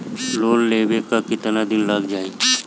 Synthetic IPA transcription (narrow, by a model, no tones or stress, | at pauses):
loːnleːʋekakɪt̪nad̪ɪnlaːɡd͡ʒaːe